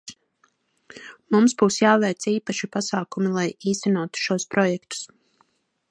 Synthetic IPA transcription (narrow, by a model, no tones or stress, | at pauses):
mumsbuːsjaːvɛjt̪siːpaʃipasaːkumilˠajiːst̪ɛnuɔt̪u̥ʃuɔspɾɔjɛkt̪u̥s